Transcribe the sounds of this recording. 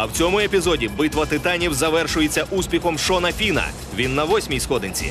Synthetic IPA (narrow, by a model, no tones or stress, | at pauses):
ɐwt͡sʲɔmʊepʲizɔdʲibɪt̪ʋɐt̪ɪt̪anʲiwzɐʋɛrʃʊjet͡sʲːɐʔusʲpʲixɔmʃɔnɐfʲinɐ̰ | ʋʲinːɐʋɔsʲmʲijsxɔd̪ɪnʲt͡sʲḭ